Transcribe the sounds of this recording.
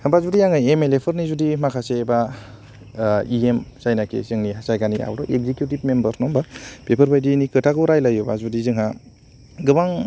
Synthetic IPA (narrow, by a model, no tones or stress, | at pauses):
hɯbazudijaŋɯjemelepʰɯɾnizudimakʰaseba | iemsajnakʰḛzɯŋniɦasajɡania̰wɾɔeɡ̚zekjutib̚membɐɾnɔmbapepʰɯɾbajdinikɯtʰaɡɯɾajlajuba̰zudizɯŋɦa | ɡɯbaŋ